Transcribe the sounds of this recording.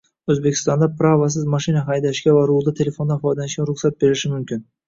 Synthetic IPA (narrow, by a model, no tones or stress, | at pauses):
ɵzbekʲʰɪ̥st̪ɑnd̪ɑpʰɾavɑs̬ɪzmɑʃinaɦɑjd̪aʃkʲavaɾulˠd̪ɨt̪ʰe̞le̞fo̞nd̪ɑfɑjd̪anɪʃkʲaɾʊχsat̪̚be̞ɾɪʃɪmʊmkʲʰɪn